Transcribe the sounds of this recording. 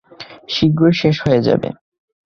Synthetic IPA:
ʃiɡɾoɾʃeʃhoed͡ʑa̰bḛ

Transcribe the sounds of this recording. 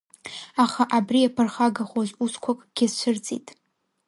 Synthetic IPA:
aχaʔabriapʰɨrχaɡaχozuskʷʰakʼɡ̥ʲɪzt͡ʃʷʰɨrt͡sʼḭtʼ

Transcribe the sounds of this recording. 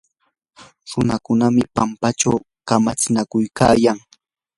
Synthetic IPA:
ɾʊnakʊnamɪpampat͡ʃaw | kamat͡sɪnakʊjkaːjaŋ

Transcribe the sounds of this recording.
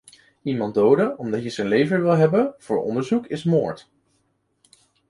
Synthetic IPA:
imɑndowdəɔmdɑtjəzənlejvəʋɪlˠɦɛbənv̥ʊ̰ːɹɔ̰ndəɹzukɪsmo̰ːɹt

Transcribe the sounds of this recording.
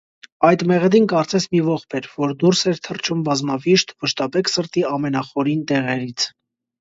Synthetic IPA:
ɑjd̪mɛʁəd̪inkɑɾt͡sɛsʰmivɔχpʰɛɾvɔɾd̪uɾsɛɾt̪ʰərt͡ʃʰumbɑzmɑviʃt̪vəʃt̪ɑpɛkʰsəɾt̪iɑmɛnɑχɔɾint̪ɛʁɛɾit͡sʰ

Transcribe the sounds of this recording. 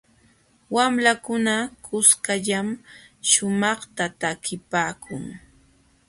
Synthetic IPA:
wamlakʊnakʊskaʎamʃʊmɑχt̪at̪akɪpaːkʰʊŋ

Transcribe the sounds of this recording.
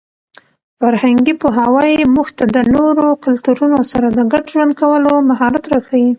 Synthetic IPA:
faɾhaŋɡipoɦawɑjemuxt̪ad̪ənoɾokʊlt̪uɾunosaɾad̪əɡaɖʒwand̪̚kawəlomaɦɑɾat̪ɾaxawi

